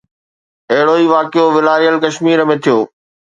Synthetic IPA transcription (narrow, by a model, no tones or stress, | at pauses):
ɐɦɪɽoiːʋaːkɪjoʋɪlaːɾijəlkɐʃmiːɾəmẽt̪ʰijoː